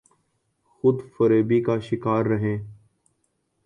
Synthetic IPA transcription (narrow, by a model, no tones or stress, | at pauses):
xʊd̪fəɾeːbiːkaːʃɪkaːɾːəɦẽː